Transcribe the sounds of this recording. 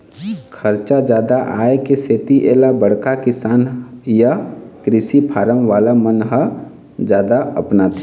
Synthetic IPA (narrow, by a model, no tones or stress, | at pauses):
kʰəɾt͡ʃad͡ʒjaːd̪aʔa̰ːekeseːt̪iʔeːlabəɽ̤kakɪsaːnjakɾɪsipʰaːɾəmʋaːlamənɦə | d͡ʒjaːd̪aə̰pnat̪ʰi̥